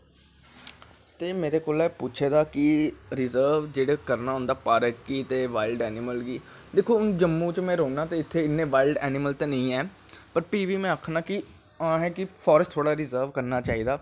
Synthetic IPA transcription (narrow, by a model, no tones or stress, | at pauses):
t̪eːmeːɾeːkoːlɛːpuːt͡ʃʰeːd̪aːkɪɾɪzəːɾʋd͡ʒeːɽeːkəɾnaːɦʊ̃nd̪aːpaːɾəkːiːt̪eːʋaːɪlɖɛːnɪməlɡiː | d̪ekʰːoːʊnd͡ʒəmːũːt͡ʃmɛ̃ːɾoːnaːt̪eːɪt̪ʰːeːɪnːẽːʋaːɪlɖɛːnɪməlt̪eːnəĩːɛːpəɾpiːʋiːmɛ̃ːəːkʰnãːkɪ | ãːɦɛːkɪpʰɔːɾəst̪ʰːoːɽaːɾɪzəːɾʋkəɾnaːt͡ʃaːiːd̪aː